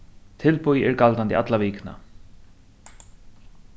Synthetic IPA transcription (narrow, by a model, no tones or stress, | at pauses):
t̪ʰɪlpʊjɛɾkalt̪ant̪ḭa̰t̪laviːkna̰